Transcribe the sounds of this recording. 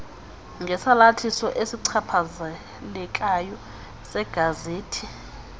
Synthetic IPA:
ŋɡʱɛsalatʰisɔʔesiǀʰapʰaza | lɛk̬ʼajɔ | sɛɡ̥ʱazeːtʰi

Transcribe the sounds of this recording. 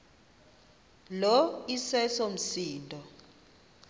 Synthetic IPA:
lɔisɛsom̩siːndʼʱɔ

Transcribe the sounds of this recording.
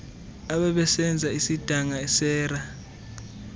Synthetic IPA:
aɓɛɓɛsɛnd͡zʱaisid̥ʱaŋaɛsɛːra

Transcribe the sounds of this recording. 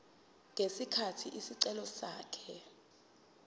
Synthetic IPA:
ŋʱesikʰatʰiʔisiǀɛlɔsaːkʰɛ

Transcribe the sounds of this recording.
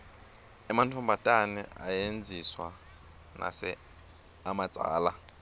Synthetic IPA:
ɛmantʰambatʼanɛa̰jend͡zʱiswa | na̰sɛ | amat͡sʼa̰ːla

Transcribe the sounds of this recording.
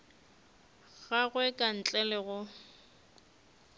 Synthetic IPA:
ɣaɣwɛkʼan̩t͡ɬʼɛlɪɣʊ

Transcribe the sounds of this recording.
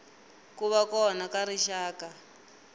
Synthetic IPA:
kuβakɔnakaɾiʃaːka

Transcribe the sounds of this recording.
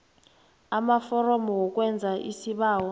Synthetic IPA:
amafɔrɔmɔwɔk̬ʼwɛnd͡zʱaʔḭsiɓaːwɔ

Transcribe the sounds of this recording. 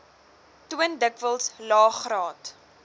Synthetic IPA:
tuəndəkvəlˠslɑːχrɑːt

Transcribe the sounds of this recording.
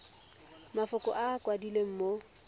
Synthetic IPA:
mafʊkʼɔ̰ʔakwadilem̩mo

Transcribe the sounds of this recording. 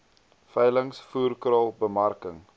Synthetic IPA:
fɛjləŋsfuːrkrɑːlˠbəmɐrkəŋ

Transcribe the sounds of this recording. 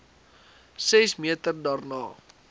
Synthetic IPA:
sɛsmiətərdɑːrnɑː

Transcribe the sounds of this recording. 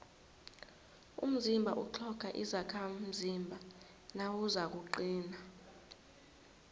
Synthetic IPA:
ṵm̩zimbʱaʔuǃʰɔkʰaʔizakʰam̩zimbʱa | nawuzak̬uǃiːna

